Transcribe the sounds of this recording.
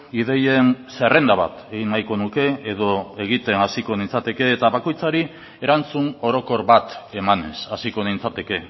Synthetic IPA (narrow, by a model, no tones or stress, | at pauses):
ið̞e̞je̞nse̞re̞nd̪aβa̰t̪e̞ɣinːajko̞nuke̞eð̞o̞e̞ɣit̪e̞nasiko̞nint͡sat̪e̞ke̞ːt̪aβako̞jt͡saɾi | e̞ɾant͡suno̞ɾo̞ko̞ɾβat̪e̞mane̞sasiko̞nint͡sat̪e̞ke̞